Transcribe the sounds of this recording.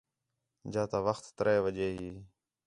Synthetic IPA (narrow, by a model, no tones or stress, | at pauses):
d͡ʒãːt̪aːʋəxt̪ːəɾeːʋəd͡ʒeːɦiː